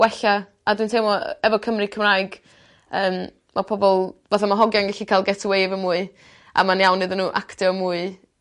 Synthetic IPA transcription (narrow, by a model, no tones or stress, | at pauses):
wɛɬa | adwɨntʰejmɔɛvɔkʰəmrɨkʰəmrajɡ | əːm | mʔapʰɔbɔlˠvaθamaɦɔɡjanɡɛɬikʰalˠɡɛtʰwejvənmuːɨ | a̰manjawnːɨðənːuːʔa̰ktɛɔmuːɨ